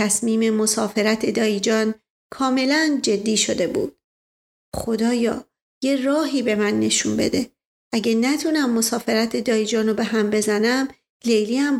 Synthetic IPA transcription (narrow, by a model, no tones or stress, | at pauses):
t̪ʰæsmiːme̞mo̞sɒːfe̞ɾæt̪ʰe̞d̪ɒːjid͡ʒɒːn | kʰɒːme̞lænd͡ʒe̞d̪ːiːʃo̞d̪e̞bṵːd̪̥̚ | xod̪ɒːjɒ̰ː | jerɒːɦiːbe̞mænːe̞ʃunbe̞̰d̪e̞ | ʔæɟenæt̪ʰunæmːo̞sɒːfe̞ɾæt̪ʰe̞d̪ɒːjid͡ʒɒːnobe̞ɦæmbe̞zænæm | lejliæm